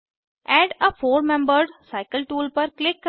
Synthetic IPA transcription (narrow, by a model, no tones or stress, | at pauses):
ɛːɖəfoːɾmɛ̃mbəɾɖsaɪkəlʈuːlpəɾklɪkː